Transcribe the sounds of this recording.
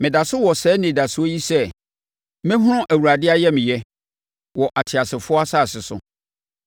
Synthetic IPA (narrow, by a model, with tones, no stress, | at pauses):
mɪ̃˨da˨sʊ˦wɔ˨sɛː˨˦nɪ̃˨da˨sʊ˦o˦ji˦sɛ˦ | mɪ̃˦ɦʊ˦nʊ̃˦ʔæ˨wu˨ɾa˨dɪ˦a˦jɛ˦mɪ̃˨jɛ˦ | wɔ˨ʔa˨tʰɪ˨a˨sɪ˨fʊ˦ɔ˦a˦sa˦˨sɪ˨sʊ̰˦